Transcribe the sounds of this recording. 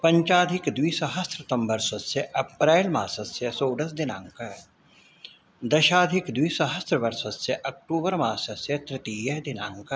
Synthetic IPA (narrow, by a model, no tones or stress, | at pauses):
pɐ̃ɲt͡ʃaːd̪ʱɪkd̪wiːsɐɦɐst̪ɾət̪ɐ̃mbɐɾsɐsseʔɐpɾɛːlmaːsɐsjɐsoːɖɐsd̪ɪnãːŋkɐ | d̪ɐʃaːd̪ʱɪkd̪wiːsɐɦəst̪ɾəʋɐɾʃɐt̪seʔɐk̚ʈuːbəɾmaːsɐsjɐt̪ɾɪt̪iːjɐɦd̪ɪnãːŋkə